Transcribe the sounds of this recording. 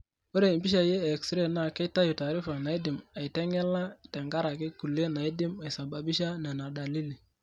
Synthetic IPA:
wo˦ɾe˨i˨bi˦ʃ̬a˨jeː˦˨kstɾe˦na˦˨ke˦ta˦jo˨ta˨ɾɪ˦fa˨na˨i˦dɪ˨ma˨i˨tɛ˦ŋɛ˦la˦˨tɛ˨ŋɡa˦ɾa˨kɪ˦ku˨le˦na˨i˦dɪ˦ma˨i˨sa˨ba˨bi˦ʃa˦nɛ˨na˨da˨li˦li˨

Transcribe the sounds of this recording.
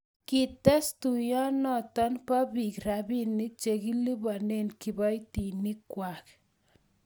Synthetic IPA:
ki˨tɛ˦stu˨jɔ˦nɔ˨tɔ˦npa˦bi˨kɾa˨bi˦ni˦t͡ʃe˨ki˦li˦bɔ˨ne˦nki˨bɔ˦jti˨ni˦kwa˨k

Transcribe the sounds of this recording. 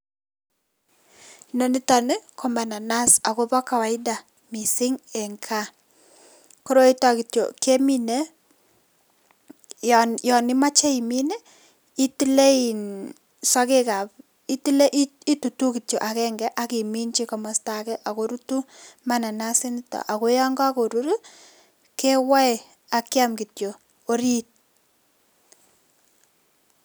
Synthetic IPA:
no˦ni˦ta˨nɪ˦kʰo˨ma˨na˨na˦sa˨ko˦bɔ˦ka˨wa˨ɪ˦da˨ | mi˨sɪ˦ŋɛ˨ŋkʰa˦ | ko˦ɾo˦i˦ta˨ki˨tjo̰˨ke˦mi˦ne˦ | jɔ˨nɪ˦ma˦t͡ʃe˦i˨mi˦ne˦ | i˦ti˦le˦i˨n | sɔ˦ke˦ka˨p | i˦ti˦le˦ʔi˦i˦tu˨tu˦ki˨tjo˨ʔa˨kɛ˦ŋɡɛ˦ʔa˦ki˨mi˦nt͡ʃi˦kɔ˨ma˨sta˨kɛ˦ʔa˨ko˦ɾu˦tu˦ma˦na˨na˦sɪ˦ntɔ̰˨ʔa˨ko˦jɔ˦ŋɡɔ˦ko˨ɾu˦ɾu˦ | ke˦wa˦˨ | a˨kja˦mki˨tjo˨ | o˦ɾi˦t̚

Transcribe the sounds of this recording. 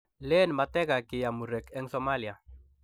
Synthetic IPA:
lɛ˦nma˨t̪ɛ˦ɡa˨kɪ˨ja˨mu˨ɾɛ˨kɛ˦ŋsɔ˦ma˦lja˨

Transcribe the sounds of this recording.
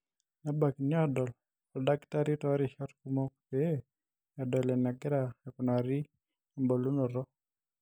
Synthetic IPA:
na˦ba˨kn˦a˦dɔ˨l | ɔ˨da˦kta˦ɾi˦tɔ˦ɾi˦ʃa˦tku˦mɔ˦kpe˦ | a˨dɔ˨lɛ˨na˨ɡɪ˦ɾa˨ɛ˨kʊ˨na˨ɾi˦ | a˨mbɔ˨lu˦no˨ɾɔ˦

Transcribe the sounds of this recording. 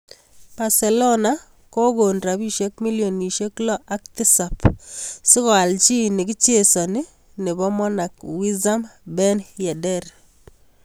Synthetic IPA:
b̥a˨sɛ˨lɔ˦na˦ | ko˦ɡo˨ndɾa˨bi˦ʃje˦kmi˦ljo˨ni˨ʃje˦klɔ˦ʔa˦k̚tɪ˦sa˨psɪ˦kɔ˨a˨lt͡ʃi˦nɪ˨kɪ˦t͡ʃje˦˨sɔ˨nɪ˦ | ne˨bɔ˦mɔ˦na˨kwi˦za˦mbɛ˦njɛ˨dɛ˦r

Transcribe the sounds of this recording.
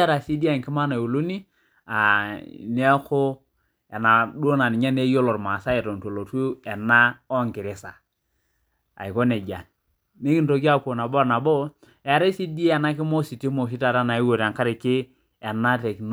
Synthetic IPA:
ɾa˨si˦di˦a˦˨ŋkɪ˦ma˦na˨o˨lo˦ni˦ | a̰˨ne˦kʊ˦ | ɛ˨na˨do˦na˨ni˨ɲa˦ne˦jo˦lɔ˨ɾma˨sa˦i˨to˨nto˨lo˨tu˦ɛ˨na˦ɔ˦ŋkɪ˨ɾɪ˦sa˨ | a̰˨i˨ko˦ne˨d͡ʒa̰˨n | ne˦ki˦n˦to˨k̬i˦a˦ko˨na˨bo˦˨na˨bɔ˦ | ɛ˨ɾe˦si˦di˦e˦ɛ˨na˦kɪ˦mo˦si˨ti˦mo˨ʃ̬i˦ta˨ɾa˦na˨i˦wo˨ɾa˨ŋka˦ɾɪ˨kɪ˦ | ɛ˨na˦te˨kn

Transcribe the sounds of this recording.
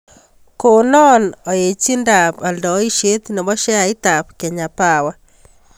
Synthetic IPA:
ko˨nɔ˦nɔ˨je˨t͡ʃi˦nda˨pa˨ndɔ˨˦i˦ʃe˦t̪ne˨βɔ˦ʃɛ˦a˨i˦ta˨pke˨ɲa˨pa˨wa˦

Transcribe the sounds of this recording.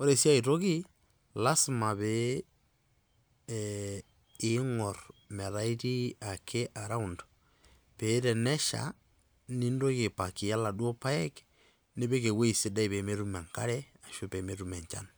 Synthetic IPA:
o˦ɾe˨sja˦i˨to˦ki˦ | la˦sma˨βe˦ | ŋɔ˨rme˨ɾa˦i˦ti˦a˨kʰe˦ʔa˨ɾa˦u˨ndo̥ | pe˨˦ɾe˨nɛ˦ʃa̰˨ | ni˦ndo˦ke˨pa˨ki˨ja˦la˨dwo˦pa˦e˦k | ne˦βe˦ke˨we˦i˨se˦da˦i˨βe˨me˦ɾu˦me˨ŋka˦ɾɛ˦a˨ʃu˦pe˨me˦ɾu˦mɛ˨ɲt͡ʃa̰˦n

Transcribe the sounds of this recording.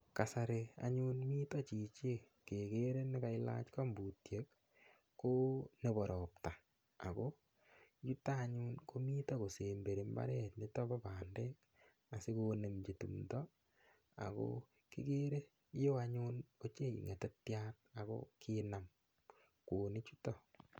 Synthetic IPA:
ka˨sa˨ɾe˨a̰ɲu˦nmiː˦tɔ˦t͡ʃi˨t͡ʃe˦ | ke˨ke˦ɾe˦nɪ˦ka˨ɪ˦la̰˦t͡ʃka˦mbu˨tjek | kːo˦ne˨bɔ˨ɾɔ˨p̚ta˨ | a̰˨ko˦ | ju˦taː˦ɲu˦nko˦miː˦ta˦ko˨se˨mbe˨ɾe˨mba̰˦ɾɛ˦tnɪ˦tɔ˦ba˦paː˨nde˦k | a˨si˦kone˨md͡ʒe˨tṵ˨mtɔ | a̰˨ko̰ | kḭ˦ke˦ɾe˦ | jo˦a˦ɲuno˦t͡ʃe˦ḭ˨ŋe˨te˦tjat̚a˨ko̰˦kina˨m | koː˨ni˦t͡ʃu˦tɔ˨

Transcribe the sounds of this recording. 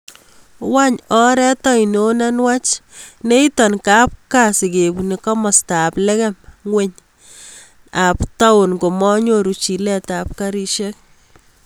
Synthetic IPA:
wa˦ɲɔ˦ɾɛ˦tɔ˦ino˦na˦nwa˦t͡ʃne˦i˦tɔ˨nkap̚kasɪ˨kebunikɔ˦mɔ˨staplɛ˦kɛ˦mŋwe˦ɲ | apta˦ʊ˨nko˨mɔ˦ɲoɾu˨t͡ʃi˨lɛtap̚ka˦ɾi˦ʃɛk̚

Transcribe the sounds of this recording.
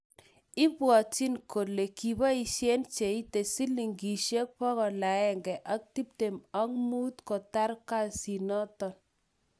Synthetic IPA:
ɪ˦bwɔ˨t͡ʃi˦nko˨le˨ki˨ba˦i˨ʃje˦nt͡ʃe˨i˦te˨si˦li˨ŋɡi˨ʃe˦k̚pɔ˦ɣɔ˨la˨ɛ˦ŋɡɛ˨ʔa˦k̚ti˦p̚te˨ma˦ŋmu˦tkɔ˨ta˦ɾka˦si˨nɔ˦tɔ˨n

